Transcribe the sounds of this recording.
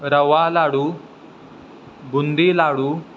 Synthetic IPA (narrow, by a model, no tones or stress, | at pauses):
ɾɐʋalaːɽu | bund̪ilaːɽu